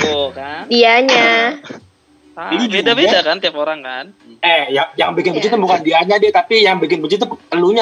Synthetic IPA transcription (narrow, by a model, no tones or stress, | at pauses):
kadiaɲa | adid͡ʒidabidakant̪iapoɾaŋkan | ɛhjaŋjaŋbikɪnbət͡ʃit̪ubukandiaɲadiat̪apijaŋbikɪnbət͡ʃit̪̬ut̪əluɲa